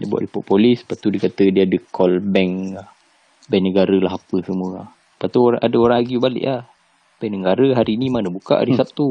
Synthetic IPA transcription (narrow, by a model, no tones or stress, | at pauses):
diabuwa̰ʔdipɔʔpolɪspat̪udikat̪ədiaːdəkɔlbɛŋlah | bajnəɡaɾəlaɦapəsəmuə | pat̪uoɾaʔadəoɾaŋaɡibalə̰ʔah | b̥ɛjnəɡaɾəɦaɾiːnimanəbuka̰ʔa̰ɾisap̚t̪u